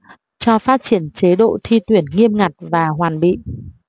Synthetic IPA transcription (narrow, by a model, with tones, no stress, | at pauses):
t͡ɕɔ˧faː˦˥t̚t͡ɕi˧˩ənt͡ɕe˨˦ɗo̰˧˨t̪ʰi˧t̪wi˨˧˩ənŋi˧əmŋa˨˩t̚vaː˨˩ɦwaː˨˩nɓḭ˧˨